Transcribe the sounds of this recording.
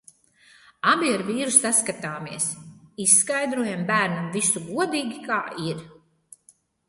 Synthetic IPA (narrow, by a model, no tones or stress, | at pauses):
abiaɾviːɾusaskat̪aːmiɛsisːkajd̪ɾuɔjambæːɾnamvisuɡuɔd̪iːɡikaːʔiɾ